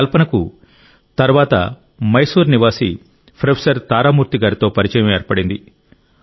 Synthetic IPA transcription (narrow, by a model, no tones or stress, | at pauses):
lpɐnɐku | t̪ɐɾuʋaːt̪ɐ̰ | mɐjsuːɾniʋaːsḭ | pʰɾɐpʰsɐɾt̪aːɾaːmuːɾt̪iɡaːɾit̪o̞ːpɐɾit͡ʃɐjɐmeːɾpɐɽind̪i